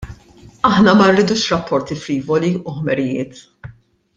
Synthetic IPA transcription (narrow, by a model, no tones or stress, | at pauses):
ɐħnɐmɐnrːiːd̪uːʃɾɐpʰːɔɾt̪ifɾiːvɔliʊħmɛɾɪjɪ̰ːt̪